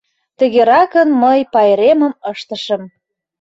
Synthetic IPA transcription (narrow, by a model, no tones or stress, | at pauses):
t̪əɣeɾɑkənməjpɑeɾemə̆məʃt̪ə̆ʃə̆m